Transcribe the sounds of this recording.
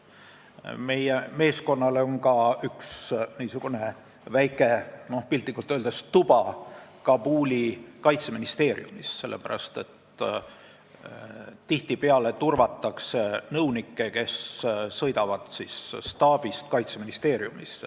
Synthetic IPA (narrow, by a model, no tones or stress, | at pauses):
me̞jeme̞ːsko̞nːɑleoŋkɑyksniːsuɡ̥une̞ | væjkːˑe̞no̞hpilʲt̪likːˑult̪ˑøld̪est̪ub̥ɑkɑbuːlikɑjt̪seminist̪eːɾjṵmisse̞lːepæɾɑ̰st̪e̞̰t̪ | t̪iht̪ipeɑle̞t̪urvɑt̪ˑːɑksenɤwnikːˑe̞ke̞ssɤ̞jd̪ɑvɑd̪̥sisst̪ɑːb̥ist̪kɑjt̪seminist̪e̞ːɾjumis